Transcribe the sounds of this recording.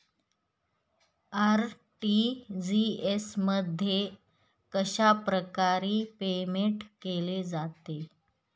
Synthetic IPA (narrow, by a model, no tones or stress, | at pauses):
aɾ | ʈid͡ziesməd̪ʱːje | kəɕapɾəkaɾiːpemeɳʈkeled͡zat̪e